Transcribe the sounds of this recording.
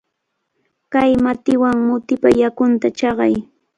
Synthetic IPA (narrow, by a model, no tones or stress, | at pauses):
kajmat̪ɪwaŋmʊt̪ɪpajakʊnt̪at͡ʃɑɢɑ̰j